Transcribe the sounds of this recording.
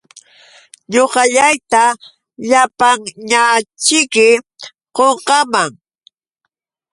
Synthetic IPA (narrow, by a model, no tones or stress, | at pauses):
ɲoqɑʎajt̪a | ʎapaŋɲat͡ʃɪkɪ | qoɴqɑmaŋ